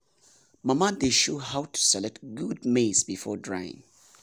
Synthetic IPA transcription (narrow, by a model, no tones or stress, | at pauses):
mamad̪eʃohawtʰu̥sɛlɛk̚tɡud̚mesbifɔ̰dɹajɪ̰̃ŋ